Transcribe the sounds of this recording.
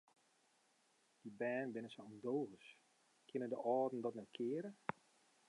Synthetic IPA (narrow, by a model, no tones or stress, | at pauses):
d̥ibɛːnbɪnəsəɔndoːəs | kʰɪnədəʔɔːdn̩dɔtnɛtkʰɪːəɾə